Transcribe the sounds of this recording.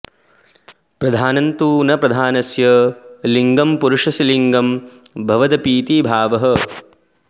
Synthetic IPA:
pɾɐd̪ʱaːnɐnt̪uːnɐpɾɐd̪ʱaːnɐsjɐliŋɡɐmpuɾuʂɐsiliŋɡɐmbʱɐʋɐd̪ɐpiːt̪ibʱaːʋɐɦɐ̆

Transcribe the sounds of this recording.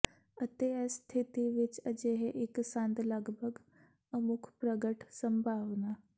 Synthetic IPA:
ət̪est̪ʰɪt̪iʋɪt͡ʃəd͡ʒeɦeʔɪksə̃nd̪ləɡbʱəɡ | əmʊkʰpɾəɡəʈʰsə̃mbʱaːʋna

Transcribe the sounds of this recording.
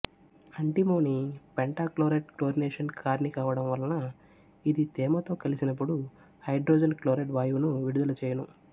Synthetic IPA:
ɐɳʈimoːnipeɳʈaːkloːɾeʈ̚kloːɾineːʂɐnkʰaːɾnikaːʋɐɽɐmʋɐlɐnɐ | id̪it̪ɛːmɐt̪o̞ːkɐlisinɐp̬ːuɽu | hɐjɖɾoːd͡ʒɐnkloːɾeʈʋaːjunuʋiɽud̪ulɐt͡ʃeːjɐnu

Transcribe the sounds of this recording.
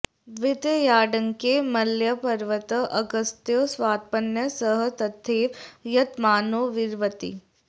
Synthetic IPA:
ʋɪd̪jəjaːɖəŋkemɐljəpɐɾʋət̪əʔɐɡəst̪joːsʋaːt̪̚pənjəsəɦət̪ɐd̪ʱʰeːʋjɐt̪maːnoːʋɪɾʋət̪ḭ

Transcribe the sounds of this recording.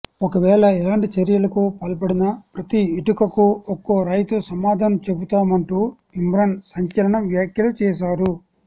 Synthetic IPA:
ɔkɐʋɛːɭɐɛlaːɳʈit͡ʃeɾjɐlɐkupɐlpɐɽinɐpɾɐt̪iiʈukɐkuokːoːɾɐjt̪usɐmaːd̪ʱaːnɐmt͡ʃe̞but̪aːmɐɳʈuː | imɾɐnsɐɲt͡ʃɐlɐɳɐʋjaːkjɐlut͡ʃɛːʃ̬aːɾu

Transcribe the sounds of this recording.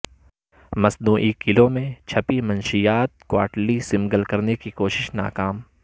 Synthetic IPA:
mɐsnuːʔikɪlõmẽt͡ʃʰɐpimɐ̃nʃijaːt̪̚kwa̰ːʈlisɪ̃mɡəlkɐɾnekikoːʃɪʃna̰ːkaːm

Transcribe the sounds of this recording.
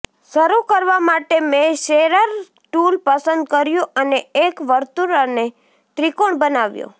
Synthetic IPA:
səɾukəɾʋamaʈemẽʃeɾəɾ | ʈulpəsənd̪̚kəɾjũəneekʋəɾt̪uɾane | t̪ɾikoɳbənaʋjṵ̃

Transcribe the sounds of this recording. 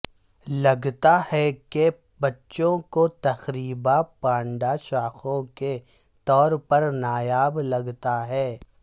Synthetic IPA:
lɐɡt̪ahɛke | bɐtːʃõkot̪ɐxɾiːbapãːɳɖaʃaːxõke | t̪ɔːɾpɐɾnaːjaːblɐɡt̪aɦɛː

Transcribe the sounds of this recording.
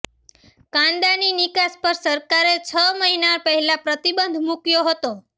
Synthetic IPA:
kãnd̪aninikaspəɾsəɾkaɾet͡ʃʰəməɦinaɾpəɦɛlapɾət̪ibənd̪ʱmukjoɦət̪o

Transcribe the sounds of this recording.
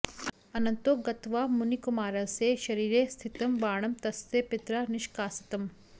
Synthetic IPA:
ɐnɐnt̪oɡɐt̪ʋaːmunikumaːɾɐseːʃɐɾiːɾeːst̪ʰit̪ɐmʋaːɳɐmt̪ɐst̪eːpɪt̪ɾanɪʃkaːsɐ̥t̪ɐm

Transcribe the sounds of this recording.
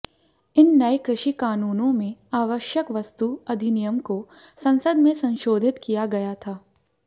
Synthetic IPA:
ɪnːɐekɾɪʃikaːnuːnõmẽaːʋəʃjəkʋɐst̪uɐd̪ʱɪnɪjəmko | sɐ̃nsəd̪mẽsɐ̃nʃoːd̪ʱɪt̪kijaɡɐjat̪ʰaː

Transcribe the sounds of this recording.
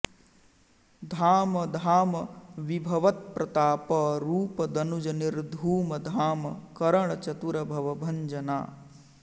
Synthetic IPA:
d̪ʱaːmɐd̪ʱaːmɐʋibʱɐʋɐt̪̚pɾɐt̪aːpɐɾuːpɐd̪ɐnud͡ʒɐniɾd̪ʱuːmɐd̪ʱaːmɐkɐɾɐɳ̃ɐt͡ʃɐt̪uɾɐbʱɐʋɐbʱɐɲd͡ʒɐna̰ː

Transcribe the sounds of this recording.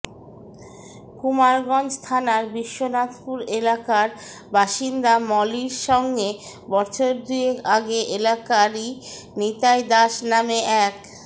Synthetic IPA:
kumaɾɡɔnd͡ʑst̪ʰanaɾbiʃːonat̪ʰpuɾelakaɾ | baʃind̪amɔliɾʃɔŋɡe | bɔɾt͡ɕʰoɾd̪uekaɡeʔelakaɾi | nit̪ajd̪aʃnameʔɛk

